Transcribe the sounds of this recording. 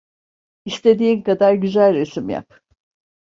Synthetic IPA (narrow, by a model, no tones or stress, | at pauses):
ist̪ʰe̞d̪iːnkad̪aɾɟyzælʲɾesimja̰p